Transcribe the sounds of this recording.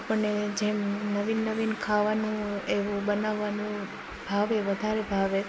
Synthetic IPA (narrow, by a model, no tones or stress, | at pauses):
apəɳːed͡ʒemnəʋinːəʋinkʰaʋanũeʋũbənaʋːanũ | bʱaʋeʋəd̪ʱaɾebʱaʋe